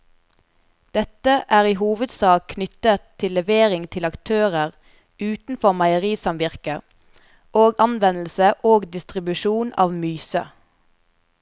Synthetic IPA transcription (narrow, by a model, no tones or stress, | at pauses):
d̪̥ɛt̪əʔæːʁiːhuːʋəd̪sɑːkkʰnʏt̪ət̪ʰːɪlɛʋeːʁɪŋt̪ʰɪlɑkt̪ʰøːʁəʁ | ʔʉːt̪n̩fɔʁmɑɪəʁiːsɑmʋɪʁkə | ʔoːɡɑnʋɛnl̩səʔoːɡd̪ɪst̪ʁɪbʉʃuːnɑ̰ːʋmyːsə̰